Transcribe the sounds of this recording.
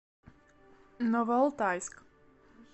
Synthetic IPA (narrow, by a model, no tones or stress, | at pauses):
nɔvɔlˠt̪ajsk